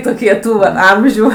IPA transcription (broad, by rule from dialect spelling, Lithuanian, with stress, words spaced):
toːˈkʲiɛ ˈtuː ʋɐ ˈɐmʲʒʲuː